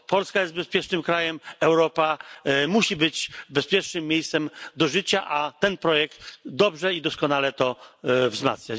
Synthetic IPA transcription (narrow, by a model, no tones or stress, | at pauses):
pɔlskajɛst̪̚bɛspʲjɛt͡ʂnɘmkɾajɛmɛwɾɔpamuɕibɘd͡ʑbɛspʲjɛɾʂnɘmːʲjejst̪sɛmd̪ɔʐɘt͡ɕaʔat̪ɛnpɾɔjɛk̚t̪d̪ɔbʐɛid̪ɔskɔnalɛt̪ɔvzma̰t̪sɲʲa